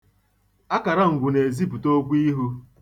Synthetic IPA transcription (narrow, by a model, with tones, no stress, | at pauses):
a˦ka˨ɾa˦ŋ̩˨ɡʷʊ˨ne˨zi˦pu˨to˦ɡʷi˦ɦu˦